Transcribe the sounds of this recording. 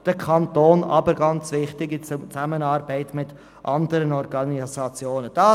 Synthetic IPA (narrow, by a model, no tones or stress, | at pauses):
d̥əkʰɑntoːnɑ̰bəɾɡɑnt͡svɪχtɪɡit͡st͡samənɑːɾbɛɪtmɪt | ʔɑndəɾənɔɾɡɑnisɑt͡sjoːnənd̥ɑ